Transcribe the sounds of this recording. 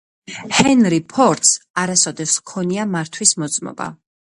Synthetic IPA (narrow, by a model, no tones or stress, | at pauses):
hɛnɾipʰɔɾt̪saɾasɔd̪ɛskʰɔniamaɾt̪ʰwismɔt̪sʼmɔ̰ba̰